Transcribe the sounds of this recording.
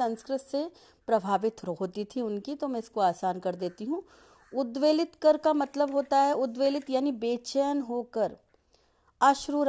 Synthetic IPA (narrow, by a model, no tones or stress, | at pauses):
ɐ̃nskɾɪt̪se | pɾɐbʱaːʋɪt̪ɾɦoːt̪it̪ʰiʊnkit̪omɛ̃ɪskoaːsaːnkɐɾd̪eːt̪iɦũː | ʊd̪ʋeːlɪt̪kɐɾkamɐt̪ləbɦoːt̪aɦɛʊd̪ʋeːlɪt̪jaːnibeːt͡ʃəjənɦoːkəɾ | aːʃɾuːɾ